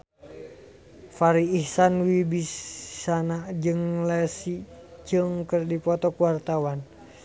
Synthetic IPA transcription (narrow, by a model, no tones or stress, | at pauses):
faɾiːhsanwibissanad͡ʒɨŋlɛsit͡ʃəŋkərdipɔt̪ɔkuwart̪awan